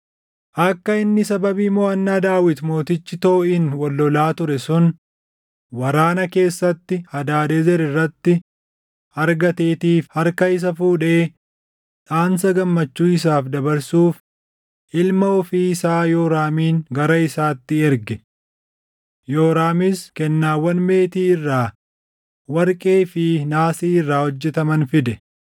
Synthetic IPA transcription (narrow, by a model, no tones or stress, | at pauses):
ʔɐkːɐɪnːɪsɐbɐbiːmɔːɐnːaːd̪aːwɪt̪mo̞ːt̪ɪt͡ʃːɪt̪oːʔɪnwɔlːɔlaːt̪ʊɾɛsʊn | wɐɾaːnɐke̞ːsːɐt̪ːɪhɐd̪aːd̪ɛzɛɾɪrːɐt̪ːɪ | ɐɾɡɐt̪eːt̪iːfhɐɾkɐɪs̬ɐfuːᶑeː | ᶑaːns̬ɐɡɐmːɐt͡ʃːuːɪs̬aːfd̪ɐbɐɾsuːf | ʔɪlmɐɔfiːɪsaːjoːɾaːmiːŋɡɐɾɐɪsaːt̪ːɪɛɾɡɛ | joːɾaːmiskɛnːaːwːɐnme̞ːt̪iːɪrːaː | wɐɾkʼeːfɪnaːsiːɪrːaːhɔd͡ʒːɛt̪ɐmɐnfɪd̪ɛ